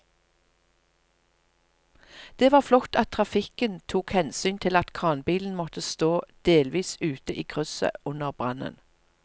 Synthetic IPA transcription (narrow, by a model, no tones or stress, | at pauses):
d̪̥eːʋɑːʁflɔkt̪ɑt̪ʰʁɑfɪkənt̪ʰuːkhɛnsyːnt̪ʰɪlɑt̪kʰʁɑːnbiːln̩mɔt̪əst̪oːd̪̥eːlʋiːsʉːt̪əʔiːkʰʁʉsə̰ʊnəʁbʁɑnə̰n